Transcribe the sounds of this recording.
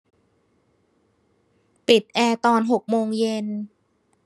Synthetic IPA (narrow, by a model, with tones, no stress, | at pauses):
pi˨˩t̪̚ʔɛː˧t̪ɔː˧nɦo˨˩k̚moː˧ŋje˧n